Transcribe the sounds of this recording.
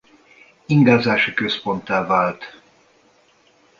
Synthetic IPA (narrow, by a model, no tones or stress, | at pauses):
iŋɡaːzaːʃɒkøspo̞nt̪aːvaːlt̪